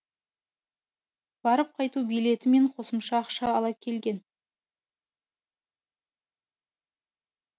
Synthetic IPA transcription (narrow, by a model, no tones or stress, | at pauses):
b̥ɑɾəp̚qʰɑjt̪ubijle̞t̪ɪme̞ɴqʰo̞səmʃɑːqʃɑːlˠɑp̚kʲʰe̞lɡʲe̞n